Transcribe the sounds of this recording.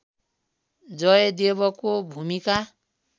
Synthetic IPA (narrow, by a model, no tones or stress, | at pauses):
d͡zʌed̪ebɔkobʱumika